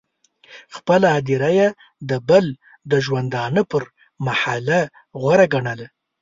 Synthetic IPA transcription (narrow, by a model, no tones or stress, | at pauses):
xpəlaːd̪iɾaja | d̪əbəl | d̪əʒwand̪ɑnəpəɾ | mahala | ɣwaɾaɡaɳəla